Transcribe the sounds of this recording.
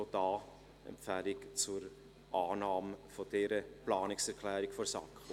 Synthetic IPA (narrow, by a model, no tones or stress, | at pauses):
od̥ɑː | ɛ̰mfɛlikt͡suɾ | ʔaːnɑːmfod̥ɛɾəplɑːnɪksɛɾkʰlɛːɾɪkfɔɾsɑ̰kː